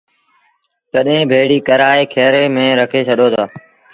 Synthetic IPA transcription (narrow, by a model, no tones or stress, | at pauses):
k̪əɗɦẽːbʱeːɽiːkəɾaːeːkʰeːɾeːmẽːɾəkʰeːt͡ʃʰəɗoːt̪ʰaː